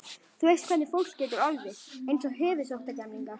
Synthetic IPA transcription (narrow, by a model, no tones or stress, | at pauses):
θuejst̪kʰvɛnɪfowl̥cːɛːt̪ʏɾalvɪejnsɔɦʏːvʏsowht̪acɛmliŋka